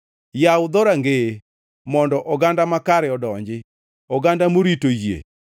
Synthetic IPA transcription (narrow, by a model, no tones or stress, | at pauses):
jawd̪ɔɾaŋɡe | mɔndɔʔɔɡandamakaɾɛɔdɔɲd͡ʒɪ | ɔɡandamoɾitojḛ